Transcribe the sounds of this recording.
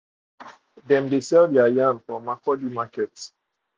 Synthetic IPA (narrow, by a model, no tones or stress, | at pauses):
dɛ̃mdesɛlvdɛajãnfɔ̃makɔdimakɛts